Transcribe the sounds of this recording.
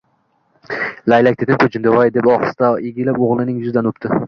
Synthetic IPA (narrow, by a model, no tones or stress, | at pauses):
lajlak̚ʲt̪ʰet̪ɪmkʰot͡ʃʰɪnd̪avajd̪epɒχɨ̥st̪aeɡʲɪlapoʁlˠɪnɪŋjʊzd̪anopt̪ʰɪ